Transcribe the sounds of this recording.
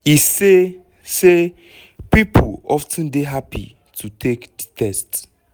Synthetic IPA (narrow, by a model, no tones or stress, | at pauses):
ise | se | pipʰolɔftʰə̃ndeɦapḭ | tʰutʰekditʰɛst